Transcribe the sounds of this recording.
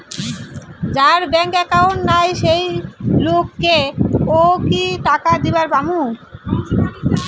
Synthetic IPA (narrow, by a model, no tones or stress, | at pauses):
d͡ʑaɾbɛŋkɛkaonːajʃejlokːeokiʈakad̪ibaɾbamu